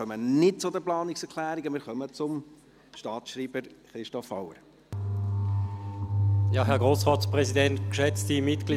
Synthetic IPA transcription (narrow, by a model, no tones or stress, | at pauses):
œmənɪtt͡sʊdəplɑːnɪksɛɾkʰlæːɾiɡəmɪːɾχœmət͡sʊm | ʃtɑːtʃɾiːb̥əɾχɾɪʃtɔfːawəɾ | jɑɦɛɐɡʁoːsʁɑːtspʁɛzidɛntkʃɛt͡stimɪtɡ̥liː